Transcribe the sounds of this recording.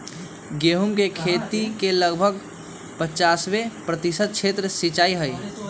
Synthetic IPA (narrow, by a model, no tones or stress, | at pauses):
ɡeːɦumkekʰeːt̪ikeləɡbʱəɡ | pət͡ʃaːswepɾət̪ɪsəd̪̚t͡ʃʰeːt̪ɾəsit͡ʃaːiɦəi